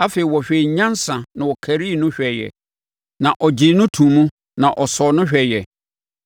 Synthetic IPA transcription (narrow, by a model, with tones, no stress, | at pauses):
a˦fe˨i˨wɔ˨ɕᶣe˨i˨ɲã˦nsã˨nã˨wɔ˨kʰæ˨ɾi˦˨nʊ̃˦ɕᶣɛ˨jɛ̰˨ | nã˨ʔɔ˨d͡ʑi˨nʊ̃˦tʰũ˨mũ˦ | nã˨ʔɔ˨sɔ˨nʊ̃˦ɕᶣɛ˨jɛ˨